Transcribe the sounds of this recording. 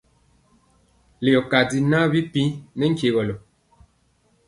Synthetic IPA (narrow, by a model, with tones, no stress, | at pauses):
le˨ɔ˨ka˨di˨na˦bi˦pĩ˦nɛ˦ŋ̩˦ke˨ɣɔ˨lɔ˨